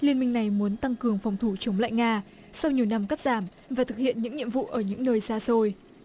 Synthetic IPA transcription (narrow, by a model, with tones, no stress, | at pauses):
li˧ənmï˧ŋna˨˩jmu˨˦ənt̪a˧ŋkɨ˨˩əŋfwŋ͡mt̪ʰu˧˩t͡ɕə˨˦wŋ͡mla̰ː˧˨jŋaː˧ | sa˧wɲi˨˩əwna˧mka˦˥t̚z̥aː˧˩m | vaː˨˩t̪ʰɨ˨˩k̚hḭ˧˨ənɲɨ̰˧˥ŋɲḭ˧˨əmvṵ˧˨ʔəː˧˩ɲɨ̰˧˥ŋnəː˧jsaː˧so˧j